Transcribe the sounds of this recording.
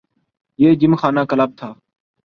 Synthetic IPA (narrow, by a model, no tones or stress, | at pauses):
jeːd͡ʒɪmxaːnãːkəlaːb̚t̪ʰaː